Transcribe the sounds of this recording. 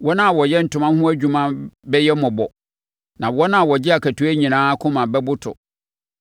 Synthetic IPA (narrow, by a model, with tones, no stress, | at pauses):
wɔ˦nã˦a˨wɔ˨jɛ˦n̩˨tʰʊ̃˦mã˦hʊ̃˦æ˦d͡ʑᶣu˨mã˦bɛ˦jɛ˦mʊ̃˨bɔ˨ | nã˨wɔ˦nã˦a˨wɔ˨d͡ʑɪ˦a˨kʰæ˨tʰu˨˦æ˦ɲĩ˨nãː˦kʰʊ̃˦mã˨bɛ˦bʊ˦tʰʊ̰˨